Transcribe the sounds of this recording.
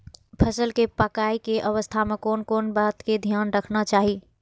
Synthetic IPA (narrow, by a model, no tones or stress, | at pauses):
pʰəsəlkepəkaːikeʔəʋəst̪ʰamẽkoːnkoːnbaːt̪ked̪ʱjaːnɾəkʰnat͡ʃaːɦi